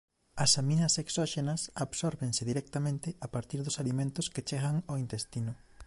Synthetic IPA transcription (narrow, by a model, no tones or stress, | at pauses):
ɐsamĩnɐseksoʃenɐsaβsoɾβeŋsɪðiɾek̚t̪amẽnt̪ɪapaɾt̪iɾðʊsalimẽnt̪ʊsket͡ʃɛɣaŋoint̪est̪inʊ